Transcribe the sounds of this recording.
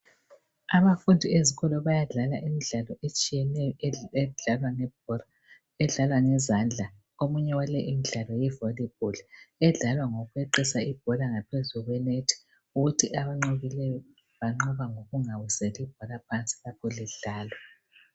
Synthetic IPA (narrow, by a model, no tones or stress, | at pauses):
aβafundʱieziɣɔlɔβajaɮalaʔimiɮalɔʔet͡ʃʼijɛnɛjɔɛɮalwaŋɛb̥̚ɔla | ɛɮalwaŋɛzand͡ɮʱa | omuɲɛwalɛʔimiɮalɔjɛvolib̥̚ʱulɛɮalwaŋoɣweǃisaib̥̚ʱɔlaŋapʰezuɣwɛnetʰi̥ | uɣutʰiʔaβaŋ͡ǃoɣilɛjɔ | βaŋ͡ǃɔβaŋoɣuŋaβusɛlib̥̚ʱɔlapʰant͡sʼi̥lakʰɔliɮaːlɔ